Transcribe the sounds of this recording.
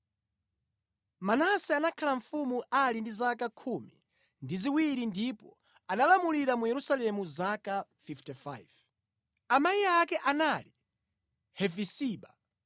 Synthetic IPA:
manasɛanakʰalaɱ̩fumuʔalindizakakʰumḭ | ndiziwiɾindipɔ | analamuliɾamujɛɾusalɛmuzakafiftɛfa̰jv̥ | amaiakɛʔanali | hɛvisiːɓa

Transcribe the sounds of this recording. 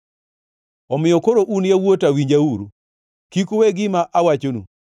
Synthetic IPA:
ɔmɪjɔkoɾoʔunjawotawiɲd͡ʒauɾu | kikoweɡɪmaʔawat͡ʃonṵ

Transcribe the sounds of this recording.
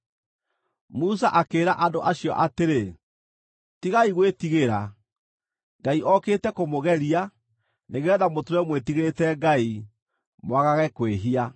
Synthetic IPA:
musaʔakeːɾaʔadoʔaɕiɔ̰ʔateɾe | tiɣaiɣwetiɣeɾa | ŋɡaiʔɔketɛkomoɣɛɾia | neɣeɔðamotɾɛmwetiɣetɛŋɡai | mwaɣaɣɛkweɦia

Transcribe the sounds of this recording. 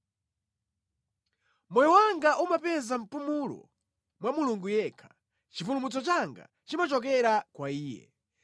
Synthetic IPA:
mɔjɔwaŋɡaʔumapɛzam̩pumulɔ̰ | mwamuluŋɡujɛkʰḁ | t͡ʃipulumut͡sɔt͡ʃaŋɡa̰ | t͡ʃimat͡ʃɔk̬ɛɾakwaiːjɛ̰

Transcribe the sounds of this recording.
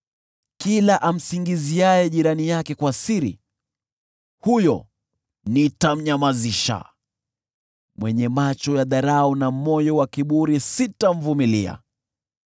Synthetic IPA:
kilaʔam̩siŋɡiziajɛʄiɾanijakɛkwasiɾḭ | hujɔ̰ | nitam̩ɲamaziʃa̰ | mwɛɲɛmat͡ʃɔjaðaɾaɔnamɔjɔwakiɓuɾisitaɱ̩vumilḭa̰

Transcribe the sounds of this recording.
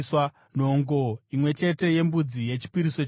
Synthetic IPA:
swa | no̞ŋɡo̞imwe̞t͡ʃe̞te̞je̞mbud͡zije̞t͡ʃi̥piɾiso

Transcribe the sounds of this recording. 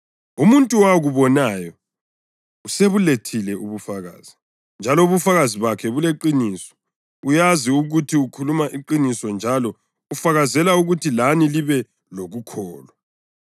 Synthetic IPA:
umuntʼuwaɣuβɔnajɔ | useβuletʰilɛʔuβufaɣa̰ːz̥i | nd͡ʒʱalɔuβufaɣaziβakʰɛβuleǃiniːsɔ̥ | ujaziuɣutʰiukʰulumaʔiǃinisɔnd͡ʒʱalɔ | ufaɣazɛlauɣutʰilaniliβɛ | loɣukʰɔːla

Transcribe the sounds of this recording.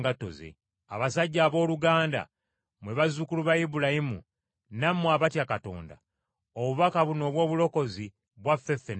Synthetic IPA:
ɡato̞̰zḛ | aβasaɟːaːβo̞ːluɡaːnda̰ | mweβazukuluβajibulahimṵ | namːwaβatjakato̞̰ːnda̰ | oβuβakaβuno̞ːβwo̞ːβulo̞ko̞zi | βwafːe̞fːen

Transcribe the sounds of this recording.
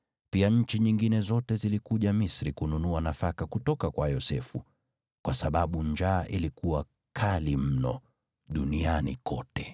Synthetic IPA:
piaɲ̩t͡ʃiɲiŋɡinɛzɔtɛzilikuʄamisɾikununuanafakakutɔkakwajɔsɛfu | kwasaɓaɓuɲd͡ʒaːʔilikuwa | kʰalim̩nɔ̰ | ɗunianḭkɔtɛ

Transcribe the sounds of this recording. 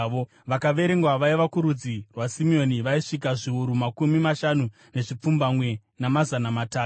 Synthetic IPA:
o | ʋakaʋe̞ɾe̞ŋɡwaʋaiʋakuɾud͡zirwasimio̞niʋaiʂik̬aʐiuɾumakumimaʃanu | ne̞ʐip͡fumbamwe̞ | namazanamataː

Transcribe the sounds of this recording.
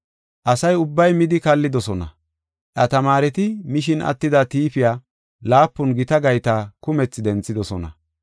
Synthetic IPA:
ʔɐsɐjʊbːɐjmɪd̪ɪkɐlːɪd̪ɔsɔnɐ̰ | ʔɐt̪ɐmaːɾɛt̪ɪmɪʃɪnʔɐ̰t̪ːɪd̪ɐt̪iːfɪjaː | laːpːʊnɡɪt̪ɐɡɐjt̪aːkʊmɛt͡sːɪd̪ɛnt͡sːɪd̪ɔsɔnɐ̰

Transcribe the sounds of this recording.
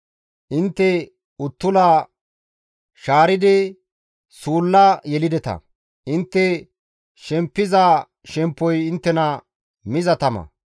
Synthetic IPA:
ʔɪnt̪ːɛ | ʊt̪ːʊlaː | ʃaːɾɪd̪ɛ | suːlːɐjɛlɪd̪ɛt̪ɐ̰ | ʔɪnt̪ːɛ | ʃɛmpːɪzaː | ʃɛmpːɔjɪnt̪ːɛnɐ | mɪzɐt̪ɐmɐ̰

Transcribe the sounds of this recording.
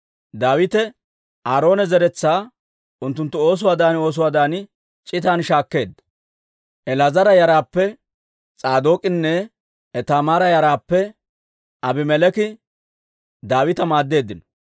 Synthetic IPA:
d̪aːwɪt̪ɛ | ʔaːɾo̞ːnɛzɛɾɛt͡sːaː | ʔʊnt̪ːʊnt̪ːʊo̞ːs̬ʊwaːd̪aːno̞ːs̬ʊwaːd̪aːnɪ | t͡ʃʼɪt̪aːnʃaːkːe̞ːd̪ːɐ̥ | ʔɛlɐzɐɾɐjɐɾaːpːɛ | t͡sʼaːd̪o̞ːkʼɪnːɛː | t̪aːmaːɾɐjɐɾaːpːɛ | ʔɐbɪmɛlɛkɪ | d̪aːwɪt̪ɐmaːd̪ːe̞ːd̪ːɪnɔ

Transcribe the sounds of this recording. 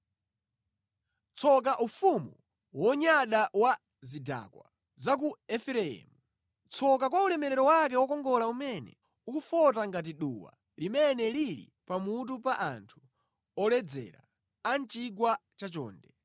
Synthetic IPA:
t͡sʰɔk̬aʔufumu | wɔɲaɗawa | zida̰ːkwa̰ | zak̬uɛfɛɾɛɛ̰ːmu | t͡sʰɔk̬akwaulɛmɛɾɛɾɔwak̬ɛwɔkɔŋɡɔlaumɛnɛ̰ | ukufɔtaŋɡat̬iɗṵwa̰ | limɛnɛliɾḭ | pamut̬upaʔa̰ntʰu̥ | ɔlɛd͡zɛ̰ɾa̰ | ant͡ʃiɡwat͡ʃat͡ʃɔ̰ːndɛ

